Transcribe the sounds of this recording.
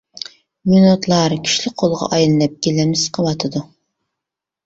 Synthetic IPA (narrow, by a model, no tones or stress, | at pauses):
minot̪ʰlˠɑɾkʲʰi̥ʃlɪqʰolˠʁɑ̰ʔɑjlˠɨnɨp̚ɡʲelɛmɪsqʰɑwɑt̪ʰɨd̪u